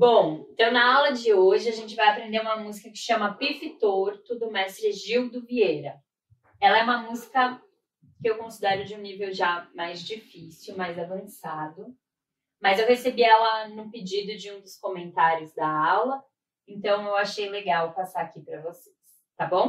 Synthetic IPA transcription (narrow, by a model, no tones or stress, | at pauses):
bõw̃ẽnt̪ɐ̃w̃nɐawlɐd͡ʒɪoʒɪaʒẽnt͡ʃɪvajapɾẽnd̪eɾũmɐmuzikɐkɪ̥ʃɐ̃mɐpifɪt̪oɾt̪ʊd̪ʊmɛst̪ɾɪʒiwd̪ʊviejɾɐ | ɛlɐɛũmɐmuzikɐ | kɪewkõsid̪ɛɾʊd͡ʒɪũnivewʒamajzd͡ʒifisiwmajzavɐ̃sad̪ʊ | mɐzewɦesebiɛlɐnʊped͡ʒid̪ʊd͡ʒɪũd̪ʊskomẽnt̪aɾjʊzd̪ɐawlɐ | ẽnt̪ɐ̃w̃ewaʃejleɡawpasaakipɾɐvose̥s | t̪abõw̃